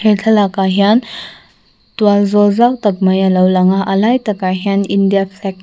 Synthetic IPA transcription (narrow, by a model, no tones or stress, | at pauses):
hetʰɐlakaɦjan | tuwalzɔlzawtɐk̚majalawlaŋaʔɐlajtɐkaɦianindijapʰlɛk̚